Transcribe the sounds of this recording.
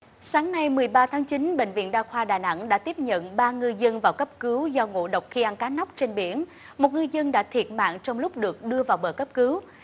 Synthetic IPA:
saː˨˦ŋna˧jmɨ˨˩əjɓaː˧t̪ʰaː˨˦ŋt͡ɕi˨˦nɓḛ˧˨ŋ̟vḭ˧˨ənɗaː˧xwaː˧ɗaː˨˩na˧˥ŋɗa̰ː˧˥t̪i˦˥əp̚ɲə̰˧˨nɓaː˧ŋɨ˧jzə˧nvaː˨˩wkə˦˥p̚kɨ˨˦wzɔ˧wŋo̰˧˥ɗə˨˩wk͡p̚xi˧ʔa˧nkaː˨˦na˦˥wk͡p̚t͡ɕe˧nɓḭ˧˩ən | mo˨˩t̚ŋɨ˧jzə˧nɗa̰ː˧˥t̪ʰi˨˩ət̚ma̰ː˧˨ŋt͡ɕɔ˧wŋ͡mlʊ˦˥k͡p̚ɗɨ˨˩ək̚ɗɨ˧əvaː˨˩wɓəː˨˩kə˦˥p̚kɨ˨˦w

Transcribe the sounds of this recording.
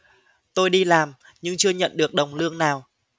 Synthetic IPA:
t̪o˧jɗi˧laː˨˩m | ɲɨ˧ŋt͡ɕɨ˧əɲə̰˧˨nɗɨ˨˩ək̚ɗə˨˩wŋ͡mlɨ˧əŋnaː˨˩w

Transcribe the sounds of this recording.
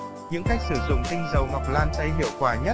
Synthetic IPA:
ɲɨ̰˧˥ŋxa˦˥jk̚sɨ˧˩zʊ̰˧˨ŋ͡mtï˧ŋ̟zə˨˩wŋa˨˩wk͡p̚laː˧nt̪ə˧jɦḭ˧˨əwkwaː˧˩ɲə˦˥t̚

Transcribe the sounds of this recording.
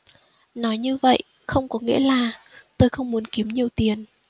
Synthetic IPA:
nɔ˨˦jɲɨ˧və̰˧˨jʔ | xə˧wŋ͡mkɔ˨˦ŋḭ˧˥əlaː˨˩t̪o˧jxə˧wŋ͡mmu˨˦ənki˨˦əmɲi˨˩əwt̪i˨˦ən

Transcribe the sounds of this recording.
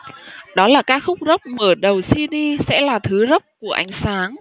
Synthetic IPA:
ɗɔ˨˦laː˨˩kaː˦˥k̚xʊ˦˥k͡p̚zə˦˥k͡p̚məː˧˩ɗə˨˩wsi˧ɗi˧sɛ̰˧˥laː˨˩t̪ʰɨ˨˦zə˦˥p̚ku˧˩əʔa˨˦jŋ̟saː˨˦ŋ

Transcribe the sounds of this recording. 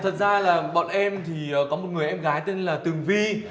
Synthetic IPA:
t̪ʰə˨˩t̚zaː˧laː˨˩ɓɔ̰˧˨nʔɛ˧mt̪ʰi˨˩əː˨˩kɔ˨˦mo˨˩t̚ŋɨ˨˩əjʔɛ˧mɣaː˨˦jt̪e˧nlaː˨˩t̪ɨ˨˩əŋvi˧

